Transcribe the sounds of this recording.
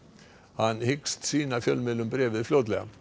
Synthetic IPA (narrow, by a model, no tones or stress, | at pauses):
hɑnhɪkst̪siːnɑfjœlmɛlːʊmbɾeːʋəfloːd̪lə̰